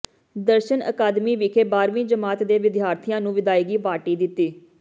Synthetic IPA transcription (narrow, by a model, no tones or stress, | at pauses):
d̪əɾʃənə̰kaːd̪miːʋɪkʰeːbaːɾʋĩːd͡ʒəmaːt̪d̪eːʋɪd̪ɪjaːɾt̪ʰɪjãːnũːʋɪd̪aːiːɡiːʋaːʈiːd̪ɪt̪ːiː